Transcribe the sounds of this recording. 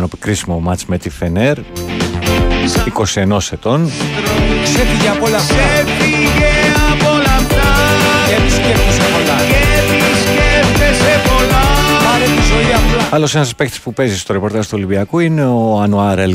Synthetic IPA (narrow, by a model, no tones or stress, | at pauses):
nopikɾisimomɐt͡smet̪ifeneɾ | iko̞sie̞no̞set̪o̞n | sefiʝeɐpolɐfefiʝeapolɐft̪ɐeisceft̪esepoɾlɐefisceft̪esepolɐpɐɾet̪izoiɐpolɐlo̞senɐspekt̪i̥spupe̞zist̪o̞ɾepo̞ɾt̪ɐʒt̪uo̞libiɐkuine̞oɐnuɐɾel